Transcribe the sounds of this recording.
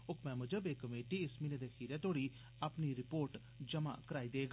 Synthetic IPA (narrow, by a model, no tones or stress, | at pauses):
ʊkʰmɛ̃ːməd͡ʒəbeːkːəmeːʈiːɪsmiːneːd̪eːhʰiːɾɛːt̪oːɽiː | aːpniːɾɪpoːɾʈ | d͡ʒəma̰ːkəɾaːiːd̪eːɡa